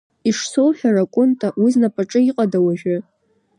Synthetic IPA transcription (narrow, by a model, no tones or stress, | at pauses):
iʂsowħʲᶣarakʷʼʊntʼawiznapʼaʈ͡ʂʼɨiqʼadawaʒɪ